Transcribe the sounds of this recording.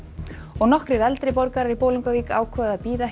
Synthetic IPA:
ɔɣnɔhkɾɪɾɛlt̪ɾɪpɔɾkaɾaɾipoːwliŋkaviːkaːwkʰvœːðaðpiːða

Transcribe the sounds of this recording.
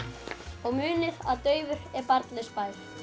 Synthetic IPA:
ɔɣmʏːnɪɾaðt̪œːɥvʏɾ̥ɛɾpaɾt̪lɪspaːjɾ̥

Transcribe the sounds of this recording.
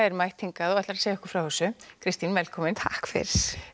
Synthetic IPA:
ɛɾmajht̪ʰiŋkaðɔɣɛht̪laɾaseːjaɛhkʏ̥fɾawhɛsʏkʰɾɪst̪invɛlkʰɔːmɪnt̪ʰa̰hkfɪ̰ɾs

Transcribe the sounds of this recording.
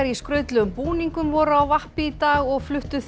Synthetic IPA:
ɾiskɾœɥt̪lʏɣʏmpuːniŋkʏmvɔɾawvahpɪit̪aːɣɔɣflʏht̪ʏθ

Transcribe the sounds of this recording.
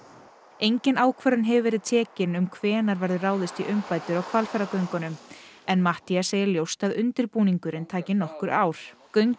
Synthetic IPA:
ejɲcɪnaːwkʰvœɾʏnɦɛvɪvɛɾɪðt̪ʰɛːcɪnʏmkʰvɛːnaɾvɛɾðʏraːwðɪst̪iʔʏmpaːjt̪ʏɾɔwkʰvalfɛɾakœɥŋkɔnʏmɛnmaht̪iaseːjɪljowst̪aðʏnt̪ɪɾpuːniŋkʏɾɪnt̪ʰaːcɪnɔhkʏɾaːwɾ̥kœɥŋk

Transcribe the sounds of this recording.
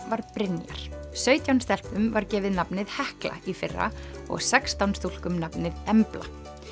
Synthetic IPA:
vaɾpɾɪnja̰ɾ̥sœːɥt̪jawnst̪ɛl̥pʏmvaɾcɛːvɪðnapnɪðhɛhkla̰ifɪrːa̰ɔ̰ɣsɛkst̪awnst̪ul̥kʏmnapnɪðɛmpla̰

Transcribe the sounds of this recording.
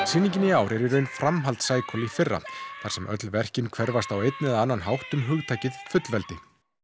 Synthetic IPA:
sɪnːĩŋcɪniaːwɾɛɾiɾœɥnfɾamɦalt̪saːjkʰɔlifɪrːa̰θaɾ̥sɛmʔœt̪lvɛr̥cɪnkʰv̥ɛɾvast̪awejt̪nɪɛðanːanɦawht̪ʏmɦʏɣt̪ʰaːcɪðfʏt̪lvɛlt̪ɪ

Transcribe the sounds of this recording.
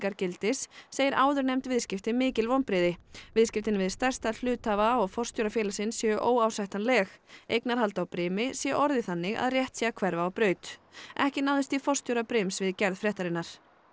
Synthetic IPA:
kaɾcɪlt̪ɪsːeːjɪɾʔaːwðʏɾnejmt̪vɪðscɪft̪ɪmɪːcɪlvownpɾɪːðɪvɪðscɪft̪ɪnvɪðst̪ɛr̥st̪al̥ʏːt̪aːvaɔɣfɔr̥t̪jowɾafjɛːlasɪnsːjɛʔoːwawsajht̪anlɛːxḛjknaɾ̥halt̪awpɾɪːmɪsjɛʔɔɾðɪθanːɪɣa̰ðrjɛht̪siːɣakʰvɛɾvaɔwpɾœːɥt̪ʔɛhcɪnawðʏst̪ifɔrst̪jowɾapɾɪmsvɪðcɛɾðfɾɛht̪aɾɪnːaɾ̥

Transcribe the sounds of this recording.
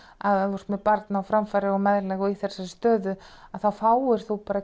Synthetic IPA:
aðaɔɾsmɛpaɾt̪naawfɾamfaɾɪɔmɛðɾlɛːɣɔiθɛr̥saɾst̪œːðʏaðθawfaːwɪɾ̥θuwpaːɾa

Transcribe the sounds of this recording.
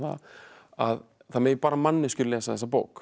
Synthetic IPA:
a̰ | að | θamɛːjpaːɾamanːɪscʏɾlɛːsaθɛsːapoːwk

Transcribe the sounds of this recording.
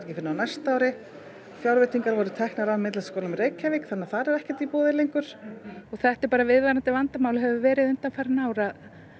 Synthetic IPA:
ɾcɪfɪnːʏanast̪aːwɾɪ | fjawɾvɛt̪iŋkaɾvɔɾʏt̪ʰɛhknaɾawmɪt̪laskowlʏmreːjkʰːavɪkθanːaθaɾɛɾɛhcɛ̥t̪ipoːðɪlejŋkʏɾ̥ɔɣθɛht̪ɪɾpaːɾavɪðvaɾant̪ɪvant̪amawlʏɦɛvʏvɛːɾɪðʏnt̪anfaɾɪnaːwɾað

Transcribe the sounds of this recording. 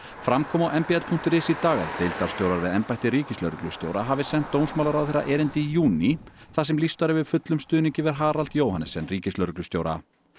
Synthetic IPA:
fɾamkʰɔːmawʔɛmpiat̪pʰuŋ̥t̪ʏɾɪsit̪aːɣa̰ðt̪ejlt̪aɾ̥st̪joːwɾaɾvɪðɛmpajt̪ɪɾiːcɪslœɾʏklʏst̪jo̰ːwɾaɦaːvɪsɛn̥t̪ːownsmawlaɾawðθeɾa̰ʔɛːɾɪnt̪ɪjuːniθasɛmlist̪aɾɪvɪðfʏt̪lʏmst̪ʏːniɲcɪvɛɾ̥ɦaːɾalt̪joːwhanɛsɛnriːcɪslœɾʏklʏst̪joːwɾa̰

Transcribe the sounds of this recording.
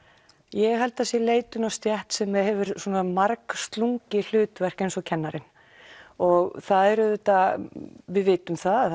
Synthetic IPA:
jɛɣɦalt̪asjɛleːjt̪ʏnast̪jɛht̪sɛmːɛhɛvʏɾswɔːnamaɾkst̪luŋcɪl̥ʏːt̪vɛr̥kejnsɔcʰɛnːaɾɪn | ɔɣθaðɛɾʏðʏt̪a | vɪðvɪːt̪ʏmθa

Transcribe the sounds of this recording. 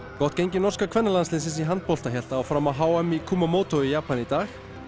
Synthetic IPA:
kɔht̪cejɲcɪnɔrskakʰvɛnːalanslɪns̬ɪns̬iɦant̪̚pɔlt̪açjɛl̥t̪aːwfɾamaðɦaːwamikʰuːmamoːwt̪oijaːpanit̪aːx

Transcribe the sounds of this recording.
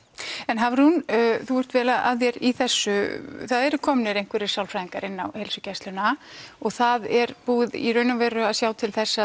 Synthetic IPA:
ɛnɦavɪɾhunːθuɛr̥t̪vɛːlaða̰ðjɛɾiθɛsːʏθaðɛɾʏkʰɔːmnɪɾejŋ̥kʰvɛɾɪ̥sjawlfɾajðiŋkaɾɪnːawhejlsʏcɛst̪lʏnaɔɣθaðɛɾpuːðḭrœːɥnʏmvɛjrʏaðsjaːwt̪ʰɪlθɛsːa

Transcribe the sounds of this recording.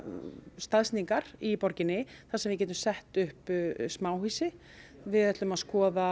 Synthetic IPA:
st̪aðsniŋkaɾ̥ipɔɾcɪnːɪθasɛmvɪc̬ɛːt̪̬ʏmsɛht̪ʏhpsmaːwhiːsɪ | vɪðɛt̪lʏmaðskɔːða

